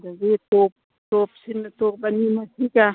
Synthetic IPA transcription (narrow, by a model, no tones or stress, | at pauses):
daɡet̪op̚ | t̪op̚sinːət̪ok̚banimasika